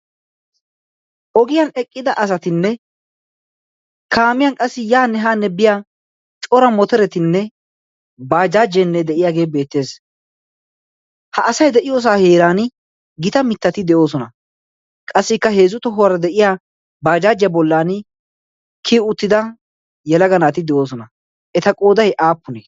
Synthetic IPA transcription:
ʔɔɡɪjɐnɛkʼːɪd̪ɐʔɐs̬ɐt̪ɪnːɛ | kʰaːmɪjɐnkʼɐsːɪjaːnːɛɦaːnːɛbɪjaː | t͡ʃʼɔɾɐmɔt̪ɛɾɛt̪ɪnːɛ | baːd͡ʒaːd͡ʒːɛnːɛd̪ɛʔɪjaːɡe̞ːbe̞ːt̪ːe̞ːs | hɐʔːsɐjd̪ɛʔɪjoːs̬aːheːɾaːn | ɡɪt̪ɐmɪt̪ːɐt̪ɪd̪ɛʔo̞ːsɔnɐ | kʼɐsːɪkːɐɦeːzʊt̪ɔɦʊwɾɐd̪ɛʔɪjaː | baːd͡ʒaːd͡ʒɪjɐbɔlːaːn | kʰiːʊt̪ːɪd̪ɐ | jɛlɐɡɐnaːt̪ɪd̪ɛʔo̞ːs̬ɔnɐ | ʔɛt̪ɐkʼo̞ːd̪ɐjʔaːpːʊneː

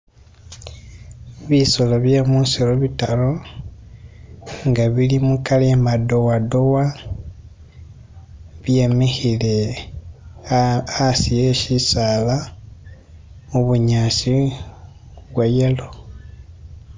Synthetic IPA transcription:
βisoloβjemunsiɾoβitalo̞ | ŋɡaβilimukalimado̞wado̞wa | βje̞mexile | asijeʃisala | muβuɲaːsi | βwajelo̞

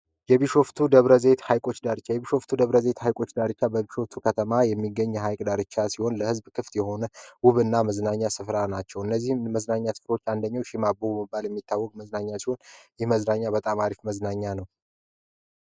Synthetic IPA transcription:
jɛβiʃo̞ft̪ʰud̪əβɾəze̞t̪hajkʼo̞t͡ʃd̪aɾɨt͡ʃːajɛβiʃo̞ft̪ʰud̪əβɾəze̞t̪hajkʼo̞t͡ʃːd̪aɾɨt͡ʃːabəbiʃo̞ft̪ʰukʰət̪ʰəmajɛmːiɡːəɲːɦajkʼd̪aɾɨt͡ʃːasiho̞nləhɨzbkʰɨft̪jɛho̞nəwʊβɨnːaməznaɲːasɨfɾanat͡ʃːɛwɨnːəzːihmməznaɲːasɨ̥fɾo̞t͡ʃːand̪əɲːawʃimabobɛmɨbːaljɛmːit̪ːawːɔkʼməznaɲːasiho̞njɛhməznaɲːabət̪ʼamaɾifməznaɲːanəw

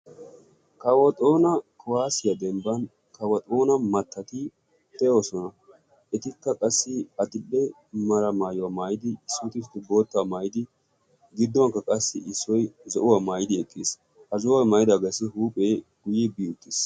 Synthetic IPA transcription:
kɐwɐt̪ʼo̞ːnɐkʊwaːsɪjɐd̪ɛmbɐn | kɐwɐt̪ʼoːnɐmɐt̪ːɐt̪ɪ | t̪ɛjoːsɔnɐ | ɛt̪ɪkːɐkʼɐsːɪɐt̪ɪbːɛ | mɐɾɐmaːjɔwɐmaːjɪd̪ɪsːʊt̪ɪst̪ːɪbo̞ːt̪ːamaːjɪd̪ɪ | ɡɪd̪ːɔŋkːɐkʼɐsːɪ̰ɪsːɔjzɔʔʊwamaːjɪd̪ɪɛkʼːɪs | hɐzɔwɐmɐjɪd̪aɡɐsɪhuːpʼeːɡ̥ʊjɪbiːʊt̪ːɪs

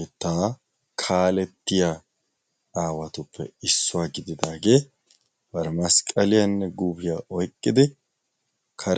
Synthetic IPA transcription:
ɛt̪ːaː | kʰaːlɛt̪ːɪja | aːwɐt̪ʊpːɛ̰ɪsːʊwaːɡɪd̪ɪd̪aːɡe̞ː | bɐɾɛmɐskʼːɐlɪjɐnːɛɡuːbɪjaːʔɔjkʼːɪd̪ɪ | kʰɐɾ

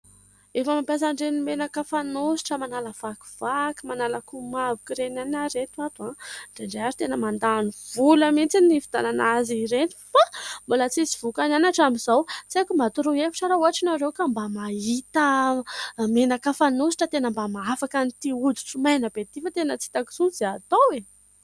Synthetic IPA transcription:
efəmampʲjas̬aɳɖ͡ʐenimenakafanosi̥ʈ͡ʂəmanaləv̥aku̥v̥akimanalakumavukiɾenanaɾet̪uat̪uaɳɖ͡ʐeɳɖ͡ʐeaɾi̥t̪enəmand̪aːniv̥uləmint͡sinifi̥d̪ananaziɾeni̥fambolat͡sisivukananaʈ͡ʂamizawt͡sakumat̪uɾuefi̥ʈ͡ʂaɾauaʈ͡ʂinaɾewkambamait̪ə | menakafanus̬i̥ʈ͡ʂət̪enəmbamaafakant̪iud̪u̥ʈ͡ʂumajnəbet̪ifat̪enət͡si̥t̪aki̥sud͡zeat̪owe

